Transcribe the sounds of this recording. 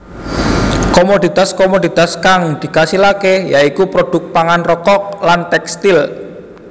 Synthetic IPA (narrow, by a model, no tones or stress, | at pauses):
komod̪it̪askomod̪it̪askaŋd̪̥i̤kasilakejaikupɾoɖ̪̥ʊk̪̚paŋanrɔkɔk̚lant̪ɛkst̪il